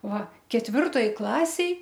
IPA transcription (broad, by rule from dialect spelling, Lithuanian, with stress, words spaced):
ˈʋɐ kʲɛtʲˈʋʲɪrtoːj ˈklˠɑːsʲeːj